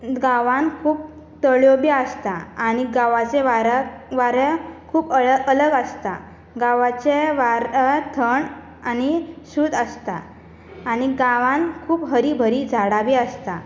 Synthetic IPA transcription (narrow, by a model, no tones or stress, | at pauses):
ɡaʋãnkʰuːp̚ | t̪əɭjobiəst̪aañiɡãʋat͡seʋaɾʋaɾəkʰuːpələɡəst̪a | ɡaʋat͡ɕeʋaɾət̪ʰəɳ | anisuːd̪əst̪aː | ɽ̃iɡaʋãnkʰuːpɦəɾibʱəɾid͡zʱaɽaʋiəst̪a